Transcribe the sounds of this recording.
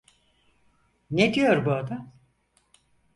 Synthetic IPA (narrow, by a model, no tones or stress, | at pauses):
ned̪ijo̞ɾbuad̪am